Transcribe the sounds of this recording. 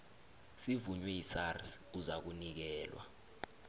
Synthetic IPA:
sivuɲwɛisarsuzak̬unik̬ɛːlwa̰

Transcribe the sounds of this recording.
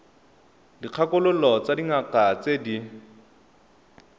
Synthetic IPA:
diq͡χʰakʊlʊlɔt͡sadiŋakat͡sedi

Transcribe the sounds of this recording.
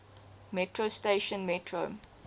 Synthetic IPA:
mɛtʰɹosteʃə̃nmɛtʰɹo̰

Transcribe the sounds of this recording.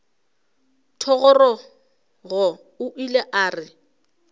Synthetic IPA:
tʰɔɣɔrɔ | ɣɔ | ʊʔileʔaːrɪ

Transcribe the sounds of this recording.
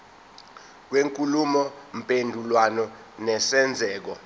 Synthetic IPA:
k̬weŋkʼulumɔm̩pʼendʱulwanɔ | nɛsɛnd͡zʱɛːk̬ɔ

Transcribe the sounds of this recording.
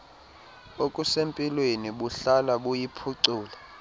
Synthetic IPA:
okʼusempʼilweniɓuɬalaɓujipʰuǀuːla

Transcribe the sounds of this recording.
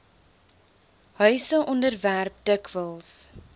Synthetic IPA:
ɦœɥsəʔɔndərværp̚dəkvəlˠs

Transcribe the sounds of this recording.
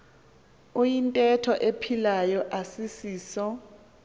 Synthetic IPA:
ojintʼɛtʰɔʔepʰilajɔʔasisiːsɔ

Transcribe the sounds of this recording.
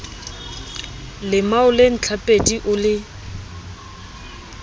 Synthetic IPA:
lɪmaʊlen̩t͡ɬʰapʼediʔʊlɪ

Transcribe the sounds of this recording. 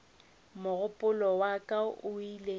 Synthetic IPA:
mʊɣʊpʼʊlɔwakʼaʊile

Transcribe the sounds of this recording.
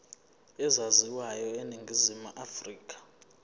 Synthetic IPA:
ɛzaziwajɔeniŋɡʱizimuʔafriːk̬ʼḁ

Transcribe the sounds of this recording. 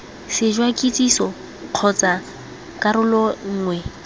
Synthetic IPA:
sɪd͡ʒwakʼit͡sʼisɔ | q͡χʰɔt͡sʼa | kʼaɾʊlɔŋ̩ːŋwɛ

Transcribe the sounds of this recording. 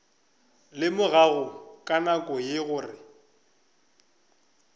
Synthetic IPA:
lɪmʊɣaɣʊkʼanakʼɔjɪɣʊːrɪ

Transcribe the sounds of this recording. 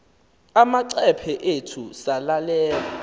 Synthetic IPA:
amaǀɛpʰɛʔetʰusalalɛːla

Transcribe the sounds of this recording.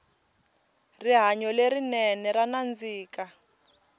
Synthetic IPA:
riɦaɲɔlerinɛnɛranand͡ziːka

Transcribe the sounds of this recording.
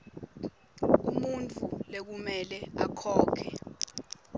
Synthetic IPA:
umunt͡fʰulek̬umɛlɛakʰɔːkʰɛ

